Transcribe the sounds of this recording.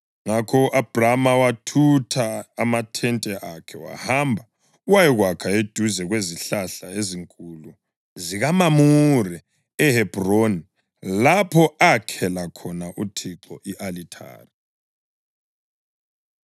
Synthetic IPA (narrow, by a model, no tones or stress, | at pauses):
ŋakʰɔʔab̥ramawatʰutʰaːmatʰɛntʼɛʔakʰɛwa̰hambʱa | uwajɛɣwakʰaed̥ʱuzɛɣweziɬaɬaeziŋkʼulu | ziɣamamurɛ | ɛhɛb̥roni | lapʰɔakʰɛlakʰɔnaʔutʰiǁɔʔiʔalitʰa̰ːri